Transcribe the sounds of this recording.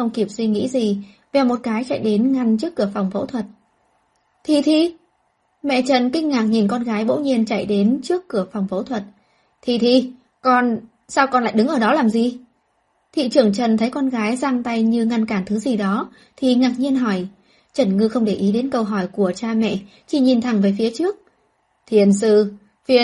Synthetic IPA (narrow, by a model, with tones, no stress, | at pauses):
xə˧wŋ͡mki˧˩əp̚swi˧ŋḭ˧˥zi˨˩ | vɛ˨˩wmo˨˩t̚kaː˨˦jt͡ɕa̰˧˨jɗe˨˦nŋa˧ŋt͡ɕɨ˦˥əkːɨ˧˩əfa˨˩wŋ͡mfo̰˧˥t̪ʰwə˨˩t̚ | t̪ʰi˨˩t̪ʰi˧˩ | mɛ̰˧˨t͡ɕə˧˩nkï˧ŋ̟ŋaː˨˩k̚ɲi˨˩nkɔ˧nɣaː˨˦jɓo̰˧˥ɲi˧ənt͡ɕa˧˩jɗe˨˦nt͡ɕɨ˦˥əkːɨ˧˩əfa˨˩wŋ͡mvo̰˧˥t̪ʰwə˨˩t̚ | t̪ʰi˨˩t̪ʰi˨˩ | kɔ˧n | saː˧wkɔ˧nla̰ː˧˨jɗɨ˨˦ŋʔəː˧˩ɗɔ˨˦laː˨˩mzi˨˩ | t̪ʰḭ˧˨t͡ɕɨ˨˧˩əŋt͡ɕə˨˩nt̪ʰə˨˦jkɔ˧nɣaː˨˦jzaː˧ŋt̪a˧jɲɨ˧ŋa˧nkaː˧˩nt̪ʰɨ˨˦zi˨˩ɗɔ˨˦ | t̪ʰi˨˩ŋaː˨˩k̚ɲi˧ənɦɔ˧˩j | t͡ɕə˧˩nŋɨ˧xə˧wŋ͡mɗe˧˩ʔi˨˦ɗe˨˦nkə˧wɦɔ˧˩jku˧˩ət͡ɕaː˧mɛ̰˧˨ | t͡ɕi˧˩ɲi˨˩nt̪ʰa˨˩ŋvəː˨˦jfi˨˦ət͡ɕɨ˦˥ək̚ | t̪ʰi˨˩ənsɨ̰˧˨ | fi˧ə